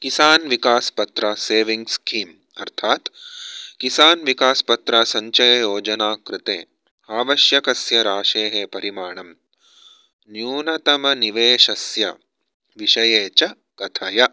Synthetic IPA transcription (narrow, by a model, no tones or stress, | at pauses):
kisaːnʋikaːspɐt̪ɾaseːʋiŋɡskʰiːm | ɐɾt̪ʰaːt̪kisaːnʋikaːspɐt̪ɾaːsɐɲt͡ʃɐjɐjoːd͡ʒɐnaːkɾɪt̪ḛː | aːʋɐʃjɐkɐsjɐɾaːʃeːɦeːpɐɾimaːɳɐm | njuːnɐt̪ɐmɐniʋeːʃɐsjɐ̰ | ʋiʃɐjeːt͡ʃɐ | kɐt̪ʰɐjɐ